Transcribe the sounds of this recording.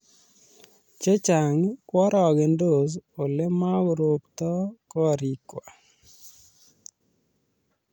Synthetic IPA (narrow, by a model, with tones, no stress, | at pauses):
t͡ʃe˦t͡ʃa˨ŋkwɔ˦ɾɔ˨ɡe˨ndo˦˨so˨le˦ma˦ɡɾo˨pt̪ɔ˦kɔ˦˨ɾi˨kwa˨